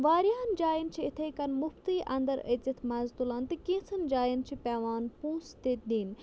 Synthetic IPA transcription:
ʋaːɾjaːnd͡ʒaːjint͡ʃʰiɪt̪ʰeːkɐnmʊft̪iːʔɐ̰̃nd̪ɐɾɐzɐt̪ʰmɐzt̪ulaːnt̪ɨkĩːsɐnd͡ʒaːjint͡ʃʰipɛːʋaːnpũːst̪ed̪iːn

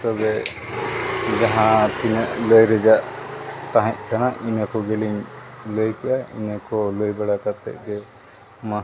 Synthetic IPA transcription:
t̪ɔbɛ | d͡ʒaɦãt̪inəʔləjɾɛd͡ʒaʔt̪aɦɛ̃c̚kanaʔinakɔɡɛliɲləjkɛʔaḭnakɔləjbɛɽakat̪ɛ̰ʔ̚ɡɛ | ma

